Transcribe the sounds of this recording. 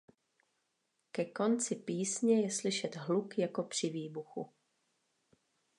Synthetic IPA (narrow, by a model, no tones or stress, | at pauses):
kɛko̞nt͡sɪpiːsɲɛjɛslɪʃɛt̪ɦlukjako̞pr̝̥ɪviːbuxṵ